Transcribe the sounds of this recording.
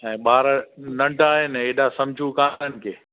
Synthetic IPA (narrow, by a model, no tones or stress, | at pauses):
ɛ̃ːɓaːɾnɐ̃ɳɖaːɦənɪ̃eːɗasɐ̃md͡ʑʱukãːənɪ̆kʰeː